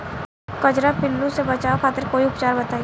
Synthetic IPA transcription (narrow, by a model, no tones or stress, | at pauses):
kɐd͡ʒɾapɪlːũsebɐt͡ʃaːokʰaːt̪ɪɾkoːiʊpt͡ʃaːɾbɐt̪aːi